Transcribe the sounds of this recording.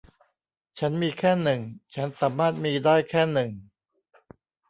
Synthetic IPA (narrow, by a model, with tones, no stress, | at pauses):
t͡ɕʰa˦˥nmiː˧kʰɛː˥˩nɯ˨˩ŋt͡ɕʰa˦˥nsaː˩˦mːaː˥˩t̪̚miː˧daː˥˩jkʰɛː˥˩nɯ˨˩ŋ